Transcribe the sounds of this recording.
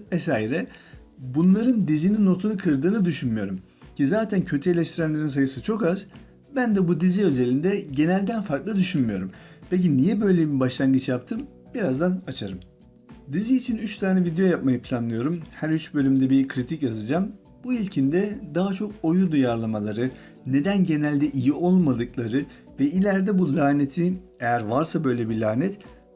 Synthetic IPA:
vɛs̬aːiɾɛ | bunlˠaɾɯnd̪izinino̞t̪ʰunɯkʰɯɾd̪ɯːnɯd̪yʃynmijo̞ɾum | cʰizaːt̪ʰæncʰø̞t̪ʰye̞lʲɛʃt̪ʰiɾænlʲe̞ɾins̬ajɯsɯt͡ʃʰo̞kaz̥ | bænd̪ɛbud̪iziø̞ze̞lʲind̪ɛɟe̞nælʲd̪ænfaɾklˠɯd̪yʃynmijo̞ɾum | pʰe̞c̬inijɛbø̞jlʲejimibaʃlˠaŋɡɯt͡ʃjap̚t̪ʰɯm | b̥iɾazd̪anat͡ʃʰaɾɯm | d̪iziːt͡ʃʰinyt͡ʃt̪ʰaːnɛvid̪ejo̞jap̚majɯpʰlʲanlˠɯjo̞ɾumhæɾyt͡ʃbø̞lʲymd̪ɛbikʰɾit̪ʰicjazɯd͡ʒaːm | b̥uilʲcʰind̪ɛd̪aɦat͡ʃʰo̞ko̞jud̪ujaɾlˠamalˠaɾɯ | ne̞d̪ænɟe̞nælʲd̪ɛʔijio̞lˠmad̪ɯklˠaɾɯ | vɛilʲæɾd̪ɛbulʲaːne̞t̪ʰi | ejæɾvaɾsabø̞jlʲebilʲaːnɛt̪

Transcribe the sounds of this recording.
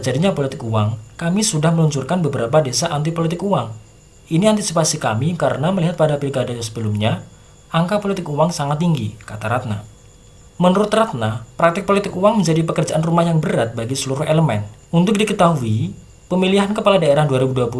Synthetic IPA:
d͡ʒadiɲapolit̪ɪkuwaŋkamisudahməluɲt͡ʃʊrkanbəbəɾapadesaʔant̪̬ipolit̪ɪkuaŋ | iniant̪isipasika̰mikaɾənaməliɦat̪̚padapilɡadajasəbəlʊmɲa | aŋkapolit̪ɪkuwaŋsaŋat̪ːiŋɡikat̪aɾat̪̚na̰ | mənuɾʊt̪rat̪̚napɾak̚t̪ɪk̚polit̪ɪkuwaŋməɲd͡ʒadipəkərd͡ʒaʔanrumahjaŋbəɾat̪̚baɡisəluɾʊɦeləmɛ̰n | unt̪ʊk̚dikət̪aɦui | pəmiliɦankəpaladaeɾahduaɾibuduapu

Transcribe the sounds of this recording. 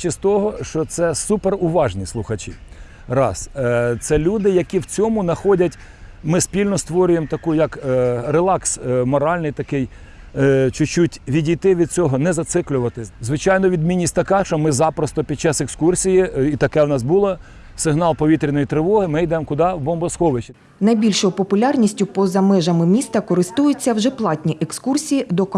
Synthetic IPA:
t͡ʃʲist̪ɔɦɔʃt͡ʃɔt̪sɛsuperʊʋɑʒnʲislˠʊxɐt͡ʃʲḭ | rɑ̰st̪sɛlʲud̪ɪjɐkʲiwt͡sʲɔmʊnɐxɔdʲɐtʲ | mɪspʲilʲnɔst̪ʋɔɾʲʊjemt̪ɐkujɐkrelˠɑksmɔɾɑlʲnɪjt̪ɐkɪj | t͡ʃʊt͡ʃutʲʋʲidʲijt̪ɪʋʲid̪̚t͡sʲɔɦɔnɛzɐt̪sɪklʲʊʋɐt̪ɪzʋɪt͡ʃɑjnɔʋʲid̪mʲinʲːisʲtʲt̪ɐkɑʃt͡ʃɔmɪzɑpɾɔst̪ɔpʲid̪̚t͡ʃɑsekskursʲijiit̪ɐkɛwnɑsbulˠɔ | sɪɦnɑlˠpɔʋʲit̪ɾʲinɔjit̪ɾɪʋɔɦɪmɪjd̪ɛmkʊd̪ɑwbɔmbɔsxɔʋɪʃʲ | nɐjbʲilʲʃɔjʊpɔpʊlʲɑrnʲisʲtʲʊpɔzɐmɪʒɐmɪmʲist̪ɐkɔɾɪst̪ujʊt͡sʲːɐwʒɛplˠɑtʲnʲiʔekskursʲijid̪ɔk

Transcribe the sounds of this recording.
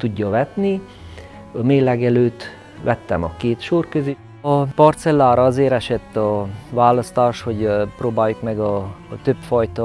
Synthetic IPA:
t̪uɟːɒʋɛt̪ni | ɒmeːlːɛɡɛløːt̪ː | ʋʔɛt̪ːɛ̰mɒ̰keːt̪ʃoːrkøzi | ɒpɒrt̪sɛlːaːɾɒɒzeːɾɛʃɛt̪ːɒvaːlɒst̪aːʃho̞ɟproːbaːjːukmɛɡɒt̪øpfɒjt̪ɒ

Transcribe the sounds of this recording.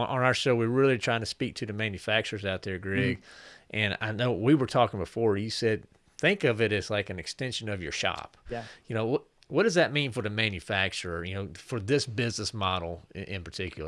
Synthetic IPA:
ʔə̃naə˞ʃoʊwiɹɹɪlˠitʰɹ̥aɪɪ̃ŋtʰɨ̥spik̚tʰɨðɨmæ̃njɨfæk̚t͡ʃə˞zaʊt̪̚ðə˞ɡɹɪɡ̥ʔɨ̃na̰ɪnoʊwwiwə˞tʰɔkɪ̃ŋbəfɔɹjɨsɛd̪̚ | θɪ̃ŋkʌvɨɾɨz̥laɪkɨ̃nɨkstɛ̃nʃɨ̃nʌvjə̰˞ʃɑ̰p̚jɨnoʊwʌ | wʌt̚d̥ʌzðɨt̚mĩnfə˞ðɨmæ̃njɨfæk̚t͡ʃə˞jɨnoʊfə˞ðɪsb̥ɪznəsmɑɾl̩ˠʔɪ̰̃npʰə˞tʰɪkjl̩ˠə˞

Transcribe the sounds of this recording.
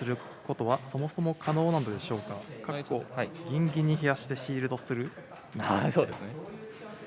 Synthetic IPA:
sɨɾɯ̟ | ko̞t̪o̞βaso̞mo̞so̞mo̞kʰano̞ːnãnod̪e̞ɕo̞ːkakʰakoɡʲĩŋɡʲiɲ̟ːiçijaɕi̥t̪e̞ɕiːɾɯ̟d̪o̞sɨɾɯ̟ | asoːd̪esɨne

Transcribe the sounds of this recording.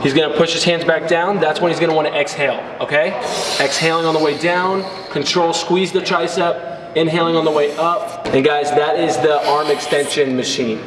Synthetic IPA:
hizɡʌnəpʰʊʃɨz̥hæ̃ndzbæk̚d̥ãʊ̃nðætswə̃nhizɡʌnəwɑ̃ñɨʔɛksheɪlˠ | oʊkʰeɪɛksheɪlˠɪ̃ŋə̃nðəweɪdãʊ̃n | kʰɨ̃ntʰɹ̥oʊlˠskwizðɨtʰɹ̥aɪsʌp̚ | ɨ̃nɦɛɪlˠɪ̃ŋə̃nðəweɪʔʌp̚ɨ̃nɡaɪzðəɾɪzðiʔɑɹmɨkstɛ̃nʃɨ̃nmɨʃĩn

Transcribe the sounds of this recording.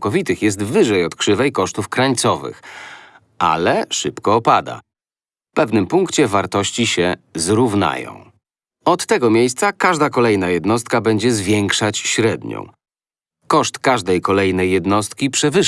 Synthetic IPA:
kɔvʲit̪ɘxjɛs̬t̪vɘʐɛjɔt̪kʂɘvɛjkɔʂt̪ufkɾaɲt̪sɔvɘ̰x | a̰lɛʂɘpkɔːpad̪a̰ | fpɛvnɘmpuŋkt͡ɕɛvaɾt̪ɔɕt͡ɕiɕɛzɾuvna̰jɔ̰̃w̃ | ɔt̪ːɛɡɔmʲjejst̪sakaʐd̪akɔlɛjnajɛd̪nɔst̪̚kabɛɲd͡ʑɛzvʲjɛŋkʂat͡ɕɕɾɛd̪ɲɔ̰̃w̃ | kɔʂt̪kaʐd̪ɛjkɔlɛjnɛjːɛd̪nɔst̪kʲipʂɛvɘ

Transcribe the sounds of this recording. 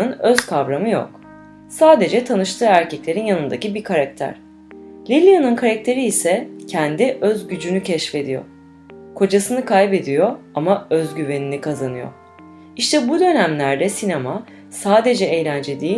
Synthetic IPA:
ɯnø̞z̥kʰavɾamɯjo̰k | saːd̪e̞d͡ʒɛt̪ʰanɯʃt̪ʰɯːæɾcʰɛclʲe̞ɾinjanɯnd̪acibikʰaɾak̚t̪ʰæ̰ɾ̥ | lʲilʲijanɯnkʰaɾak̚t̪ʰe̞ɾiːsɛcʰɛnd̪iʔøzɟyd͡ʒynycʰɛʃfe̞d̪ijo̞̰ | kʰo̞d͡ʒasɯnɯkʰajbe̞d̪ijo̞ | amaøzɟyve̞ninikʰazanɯjo̰ | iʃt̪ʰɛbud̪ø̞næmlʲæɾd̪ɛsinema | saːd̪e̞d͡ʒɛejlʲænd͡ʒe̞d̪iː

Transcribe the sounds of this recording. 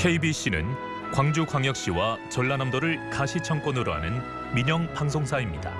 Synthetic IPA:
kʰe̞ibiɕ͈inɯ̰n | kwaŋd͡ʑukwaŋjʌk̚ɕ͈iwat͡ɕʌɭːanamdoɾɯɭkaɕʰit͡ɕʰʌŋk͈ʌnɯɾoɦa̰nɯn | miɲʌŋpaŋs̬ʰoŋsʰaimɲida̰

